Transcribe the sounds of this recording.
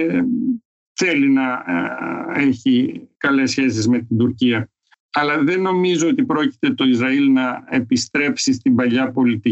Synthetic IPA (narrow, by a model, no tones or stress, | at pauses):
θe̞linɐ | eçikɐle̞sçe̞s̬izme̞t̪ind̪uɾciɐ | ɐlɐðe̞nːo̞mizoot̪ipɾo̞ci̥t̪e̞t̪o̞izɾɐilnɐe̞pist̪ɾe̞psist̪ibɐʎɐpo̞lit̪i